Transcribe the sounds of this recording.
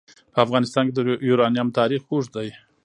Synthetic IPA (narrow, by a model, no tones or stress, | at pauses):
pəafɣɑnɪst̪ɑnked̪əjuɾɑnijamt̪ʰɑɾixuʐd̪aj